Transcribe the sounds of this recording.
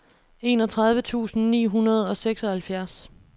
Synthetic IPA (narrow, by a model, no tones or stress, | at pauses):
e̝nɒ̽t͡sʰʁɑ̈ð̞ˠʋət͡sʰṵːsn̩nḭːɦunɐð̞ˠɒ̽seɡ̥sɒ̽hælfjæɐs